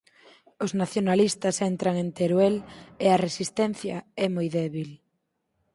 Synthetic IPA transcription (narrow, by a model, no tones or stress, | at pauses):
ʊznaθjonalist̪ɐsɛnt̪ɾɐŋent̪eɾweleɐresist̪ɛn̟θjɐɛmojðɛβil